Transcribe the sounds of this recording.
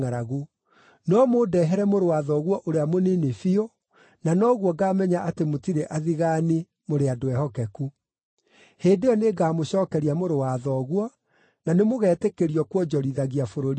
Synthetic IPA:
aɾaɣu | nɔmodɛɦɛɾɛmoɾowaðɔːɣwɔʔoɾeamonenefio | nanɔɣwɔɡaːmɛɲaʔatemotiɾeʔaðiɣane | moɾeadoɛhɔkɛku | heːdejɔneɡaːmoɕɔːkɛɾiamoɾowaðɔɣwɔ | nanemoɣɛːtekeɾiɔkwɔd͡ʒɔɾiðaɣiafoɾoɾi

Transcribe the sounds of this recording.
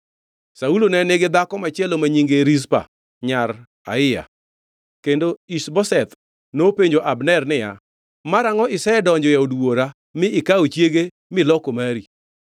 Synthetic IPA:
saulonɛnɪɡɪd̪akɔmat͡ʃjɛlomaɲiŋɡeɾis̬pa̰ | ɲaɾ | a̰ɪja̰ | kendoisbɔsɛt̪ | nopeɲd͡ʒoʔabnɛrnɪja̰ | maɾaŋɔɪsɛɛdɔɲd͡ʒɔjaodwoɾa | mɪɪkaot͡ʃjeɡe | mɪlɔkomaɾi

